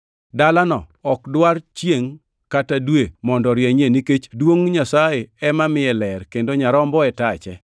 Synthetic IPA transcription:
dalanɔ̰ | ɔkdwart͡ʃjeŋ | katadwemɔndɔɾjɛɲeniket͡ʃdwoŋɲasajeɛmamɪɛlɛrkendoɲaɾɔmbɔɛtat͡ʃɛ̰

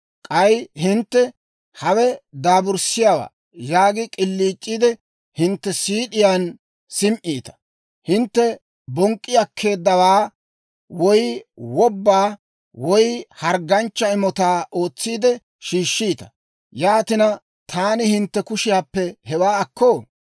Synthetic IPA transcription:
kʼɐjhɪnt̪ːɛ | hɐwɛd̪aːbʊɾsɪjawa̰ː | jaːɡɪkʼɪlːiːt͡ʃʼːiːd̪ɛ | hɪnt̪ːɛsiːɗɪjaːn | sɪmʔiːt̪ɐ̥ | hɪnt̪ːɛ | bɔŋkʼːɪjɐkʰːe̞ːd̪ːɐwaː | wɔjwɔbːaː | wɔjhɐɾɡɐnt͡ʃːɐɪmɔt̪aːʔo̞ːt͡sːiːd̪ɛ | ʃiːʃːiːt̪ɐ̥ | jaːt̪ɪnɐ | t̪ʰaːnɪhɪnt̪ːɛkʊʃɪjaːpːɛhɛwaːɐkʰːoː

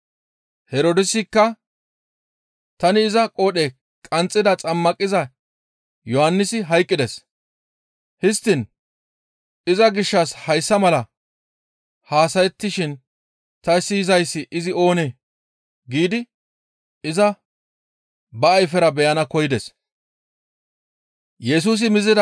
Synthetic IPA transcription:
hɛɾoːd̪ɪsɪkːɐ | t̪ɐnɪːzɐkʼoːɗe | kʼɐnt͡sʼːɪd̪ɐt͡sʼɐmːɐkʼːɪzɐ | jɔhɐnːɪsɪɦɐjkʼːɪd̪ɛs | hɪst̪ːɪn | ɪzɐɡɪʃːɐshɐjsːɐmɐlɐ | haːsɐjɛt̪ːɪʃɪn | t̪ɐɪsːɪjɪzɐjsːɪʔɪzɪo̞ːne | ɡiːd̪ɪ | ɪzɐ | bɐːjfɛɾɐbɛjɐnɐkɔjɪd̪ɛs | jɛs̬uːs̬ɪmɪzɪd̪ɐ

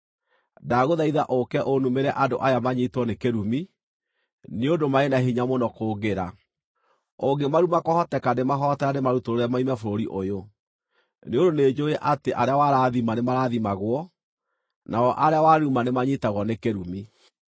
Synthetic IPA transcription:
daɣoðaiða̰ʔokɛʔonumeɾɛʔadoʔajamaɲitwɔnekeɾumi | neondomaenaɦiɲamonɔkoːɣeɾa | oɡemaɾumakɔhɔtɛkanemaɦɔtɛanemaɾutoɾoɾamaimɛfoɾoɾiʔojo | neondoneːd͡ʒoɛʔateʔaɾeawaɾaðimanemaɾaðimaɣwɔ | naɔʔaɾeawaɾumanemaɲitaɣɔnekeɾumi

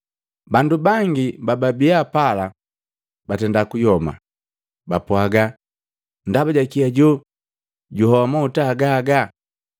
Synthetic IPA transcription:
bandubaŋɡibababiapala | batɛndakujɔma̰ | bapuaɡa | ndabaɟakiaɟɔ | ɟuhɔamautaːɡaːɡa

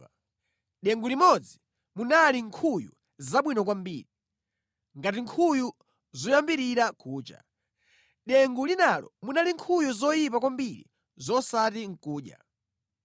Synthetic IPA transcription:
ɗɛŋɡulimɔd͡zi | munaliŋkʰujṵ | zaɓwinɔk̬wambḭːɾi | ŋɡat̬iŋkʰuju | zɔjambiɾiɾakuːt͡ʃa̰ | ɗɛŋɡulinalɔ̰munaliŋkʰujuzɔjip̬akwambiɾḭ | zɔsatiŋ̩kuːɗja̰

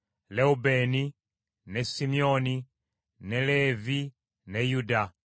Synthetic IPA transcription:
lɛubɛni | nɛsimiɔni | nɛlɛvi | nɛjuda

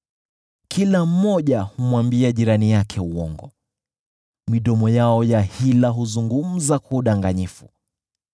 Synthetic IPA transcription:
kʰilam̩ːɔʄahumwambiaʄiɾanijakʰɛuwɔ̰ŋɡɔ | miɗɔmɔjaɔjahilaɦuzuŋɡum̩zakuːɗaŋɡaɲifu

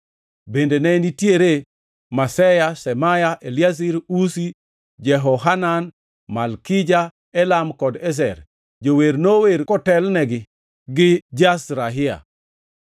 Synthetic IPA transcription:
bendenɛnitjeɾe | masɛjasɛmajaʔeljasiɾusi | d͡ʒɛɦɔɦanan | malkid͡ʒa | ɛlamkɔdɛs̬ɛ̰ɾ | d͡ʒoweɾnoweɾkɔtɛlnɛɡɪ | ɡɪd͡ʒasɾaɦɪa̰

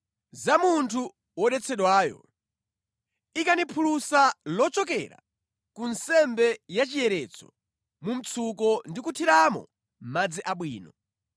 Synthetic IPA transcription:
zamuntʰu | wɔɗɛt͡sʰɛɗwaːjɔ̰ | ikanipʰulusalɔt͡ʃɔk̬ɛ̰ɾa̰ | kunsɛmbɛjat͡ʃijɛɾɛt͡sʰɔ | mum̩t͡sʰukɔndikutʰiɾamɔ̰ | m̩mad͡ziʔaɓwiːnɔ

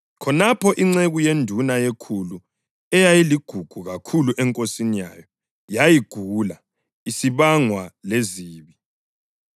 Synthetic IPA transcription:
kʰɔnapʰɔʔiŋ͡ǀeɣujendʱunajekʰulu | ɛjajiliɡ̥ʱuɡ̥ʱuɣakʰuluʔɛŋkʼosinija̰jɔ | jajiɡ̥ʱula | isiβaŋwaleziːβi

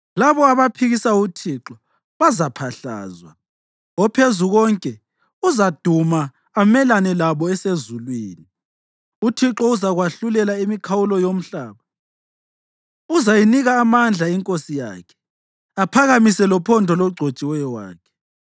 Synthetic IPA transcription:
laβɔaβapʰiɣisautʰiǁɔ | βazapʰaɬa̰ːzwa̰ | ɔpʰezuɣɔŋkʼɛ | uzad̥ʱumaː | mɛlanɛlaβɔɛsezulwiːni | utʰiǁɔuzaɣwaɬulɛlaimikʰawulɔjom̩ɬaːβa | uzajiniɣaːmand͡ɮʱaiŋkʼosija̰ːkʰɛ̥ | apʰaɣamisɛlɔpʰɔndʱɔlɔɡ͡ǀʱot͡ʃʼiwɛjɔwa̰ːkʰɛ̥

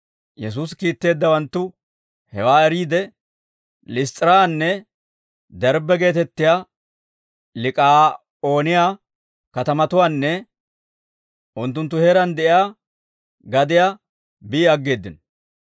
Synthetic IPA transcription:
jɛs̬uːskiːt̪ːe̞ːd̪ːɐwɐnt̪ːʊ | hɛ̰waːɛɾiːd̪ɛ | lɪst̪ʼɪɾaːnːɛ | d̪ɛɾbɛɡe̞ːt̪ɛt̪ːɪjaː | lɪkʼaː | oːnɪjaː | kɐt̪ɐmɐt̪ʊwaːnːɛ | ʔʊnt̪ːʊnt̪ːʊheːɾɐnd̪ɛʔɪjaː | ɡɐd̪ɪjaː | bɪːɐɡːe̞ːd̪ːɪnɔ

